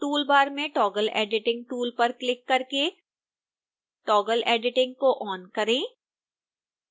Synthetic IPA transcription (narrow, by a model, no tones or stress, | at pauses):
ʈuːlbaːɾmẽʈɔːɡəlḛːɖɪʈɪ̃ŋɡ̚ʈuːlpɐɾklɪkːɐɾke | ʈɔːɡəleːɖɪʈɪ̃ŋɡ̚koʔɔːnkɐɾẽː